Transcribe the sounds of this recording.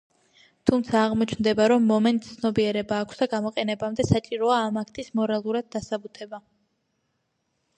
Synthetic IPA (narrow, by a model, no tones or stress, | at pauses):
t̪ʰumt̪sʰaːʁmɔt͡ʃʰnd̪ɛbaɾɔmːɔmɛnt̪ʼt̪sʰnɔbiɛɾɛbaːkʷʰsd̪aɡamɔqʼɛnɛbamd̪ɛsat͡ʃʼiɾɔaːmak̚ʰt̪ʰismɔɾalˠuɾad̪̚ːasabut̪ʰɛba